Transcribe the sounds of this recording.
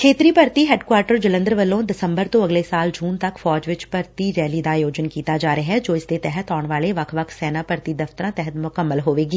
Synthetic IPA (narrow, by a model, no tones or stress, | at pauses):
kʰeːt̪ɾiːpəɾt̪iːɦɛːɖkwaːɾʈəɾd͡ʒələ̃nd̪ɾəʋəlːõːd̪ɪsə̃mbəɾt̪õːɐɡlesaːld͡ʒuːnt̪əkfɔːd͡ʒʋɪt͡ʃpəɾt̪iɾɛːlid̪ajoːd͡ʒənkiːt̪ad͡ʒaːɾəɦɛd͡ʒoːɪsd̪et̪ɛɦət̪ʰɔːɳʋaːleʋəkʰʋəkʰsɛːnaːpəɾt̪id̪əft̪əɾãːt̪ɛɦət̪mʊkəmːəlɦoːʋeːɡiː